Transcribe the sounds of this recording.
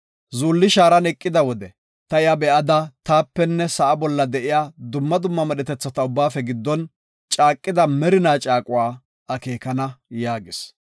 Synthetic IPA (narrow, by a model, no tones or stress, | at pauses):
zuːlːɪʃaːɾɐnɛkʼːɪd̪ɐwɔd̪ɛ | t̪ɐɪjabɛʔɐd̪ɐt̪aːpːɛnːɛsɐʔɐbɔlːɐd̪ɛʔɪjaːd̪ʊmːɐd̪ʊmːɐmɛɗɛt̪ɛt͡sːɐt̪ɐʊbːaːfɛɡɪd̪ːɔn | t͡ʃʼaːkʼːɪd̪ɐmɛɾɪnaːt͡ʃʼaːkʼʊwaː | ɐke̞ːkɐnɐjaːɡɪs